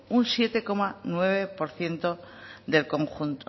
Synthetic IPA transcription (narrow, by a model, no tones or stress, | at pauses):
unsje̞t̪e̞ko̞manwe̞β̞e̞po̞ɾθje̞nt̪o̞d̪e̞lko̞ŋxunt̪o